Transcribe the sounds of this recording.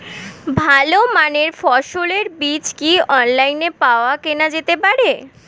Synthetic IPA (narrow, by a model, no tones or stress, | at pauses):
bʱalomaneɾfɔʃoleɾbit͡ɕkiɔnlajnepaoakenad͡ʑet̪epaɾe